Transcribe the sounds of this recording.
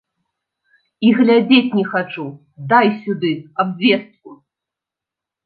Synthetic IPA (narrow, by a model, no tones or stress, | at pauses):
iɣlʲad͡zʲet͡sʲnʲɛxat͡ʂu | d̪ajsʲud̪ɨabvʲɛst̪̚ku